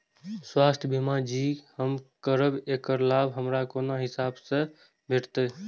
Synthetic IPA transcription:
swast̪ʰbʱimad͡ʒihəmkəɾəbekəɾlabʱɦəmɾakonoɦisabsə̃ | bʱeʈt̪e

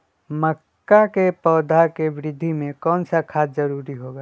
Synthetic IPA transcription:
məkːakepɔːd̪ʱakeʋɪɾɪd̪ʱːimẽkɔːnsakʰaːd͡ʒzəɾuːɾiɦoːɡaː

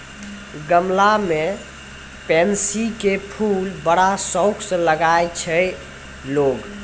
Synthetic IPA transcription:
ɡəmlame | pɛnsikepʰulbəɽasəʊkʰsə̃ləɡajt͡ʃʰə | loɡ

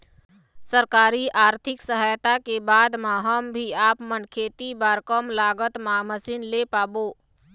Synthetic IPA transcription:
səɾkaːɾiaːɾt̪ʰɪksəɦaːjt̪akebaːd̪mãɦəmbʱiaːpmənkʰeːt̪ibaːɾkəmlaːɡət̪maməsiːnlepaːboː

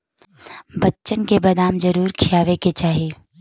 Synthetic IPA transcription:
bətːʃənkebɐd̪aːmd͡ʒəɾuːɾkʰɪjaːʋeket͡ʃaːɦieː

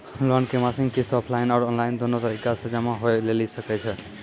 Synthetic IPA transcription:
lɔnkemasĩŋɡkisʈɔpʰlaɪnɔːɾɔnlaɪnd̪onot̪əɾikasəd͡ʒameɦojlelisəkɛt͡ʃʰɛ

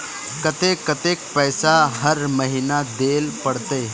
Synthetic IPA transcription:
kɐt̪ekɐt̪eːk̚pɛːsaɦəɾməɦinad̪eːlpɐɽt̪e

